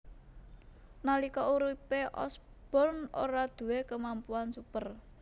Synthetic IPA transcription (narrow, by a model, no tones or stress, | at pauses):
nalikɔʔuɾipeʔɔ̰s | b̥ɔ̤no̰ɾad̪̥ṳwekəmampuansupər